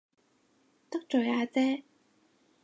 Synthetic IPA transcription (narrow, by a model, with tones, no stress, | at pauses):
t̪ɐ˥k̚t͡ʃɵ˨˩jaː˨˧t͡sɛː˥